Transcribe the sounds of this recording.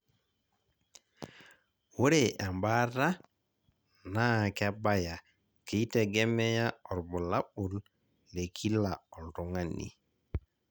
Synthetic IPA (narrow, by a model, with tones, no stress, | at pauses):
wo˦ɾe˨ʔa˨mba˦ɾa˦ | na˦˨ka˦ba˦ja˨ | ke˨i˦te˨ɡɛ˦mɛ˦ja˦ɔ˨ɾbɔ˨la˦bu˨l | le˨kʰi˦la˨ɔ˨ltu˨ŋa˦nḭ˨